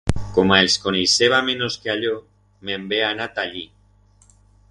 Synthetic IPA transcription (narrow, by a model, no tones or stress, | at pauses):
komaelskoneseβamẽnoskeaʎo | membeanat̪aʎi